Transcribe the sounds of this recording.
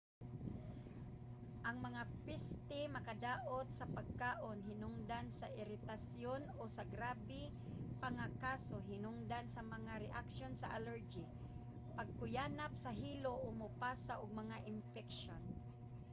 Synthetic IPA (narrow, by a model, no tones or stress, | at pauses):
ʔaŋmɐŋapɪst̪ɪmɐkad̪aːʔot̪̚sɐpaɡ̚kaːʔonɦɪnʊŋd̪ansaʔɪɾɪt̪asjonosaɡɾaːbɪ | paŋakaːsoɦɪnʊŋd̪ansamɐŋaɾɛʔakʃonsaʔalɛɹd͡ʒi | paɡ̚kʊjaːnap̚saɦiːloʔomʊpaːsaʔʊɡ̚mɐŋaʔɪnfɛkʃon